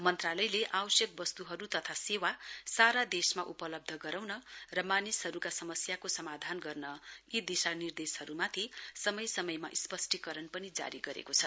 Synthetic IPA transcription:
mʌnt̪ralʌjleʔawʌsjʌk̚bʌst̪uɦʌɾut̪ʌt̪ʰasewasaɾad̪esmaʔupʌlʌb̚d̪ʱʌɡʌɾawnʌrʌmanisɦʌɾukasʌmʌsjakosʌmad̪ʱanɡʌrnʌid̪isanird̪eshʌɾumat̪ʰisʌmʌjsʌmʌjmaʔispʌsʈikʌɾʌnpʌnid͡za̰ɾiɡʌɾḛkot͡sʰʌ

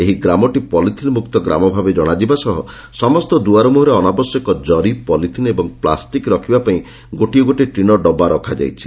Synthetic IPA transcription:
eɦiɡɾamɔʈipɔlit̪ʰinmuk̚t̪ɔɡɾa̰mɔbʱabed͡ʒɔɽ̃ad͡ʒibasɔɦɔ̰ | sɔmɔst̪ɔd̪uaɾɔmuɦɔɾeɔnabɔsjɔkɔd͡ʒɔɾipɔlit̪ʰinɔebɔŋpla̰sʈikɾɔkʰibapaĩ | ɡoʈiɔɡoʈiʈɾiɽ̃ɔɖɔbaɾɔkʰad͡ʒa̰jt͡ʃʰi̥

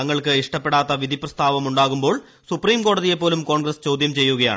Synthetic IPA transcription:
ɐŋːɐɭkɨiʂʈɐpːe̞ɽaːt̪ːɐʋid̪ʱiprɐst̪ʰaːʋɐmuɳɖaːɣumbo̞ːɭ | supriːmko̞ːɽɐðijepːoːlumko̞ːɳɡɾɐst͡ɕo̞ːd̪ʱjɐmt͡ɕe̞jːuɣɐja̰ː

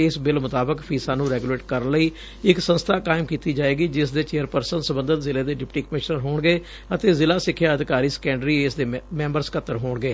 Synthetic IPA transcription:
ɪsbɪlmʊt̪aːbəkpʰiːsaːnũːɾɛːɡuleːʈkəɾənləiː | ɪksə̃nst̪ʰaːkaːɪmkiːt̪iːd͡ʒaːeːɡiːd͡ʒɪsd̪eːt͡ʃeːəɾpəɾsənsəbə̃nd̪ət̪zɪlẽːd̪eːɖɪpʈiːkəmɪʃnəɾɦoːɳɡeː | ət̪eːzɪlaːsɪkʰːjaːəd̪ɪkaːɾiːsə̥kɛ̃ːɳɖɾiːeːsd̪eːmɛ̃ːmbəɾskət̪ːəɾɦoːɳɡeː

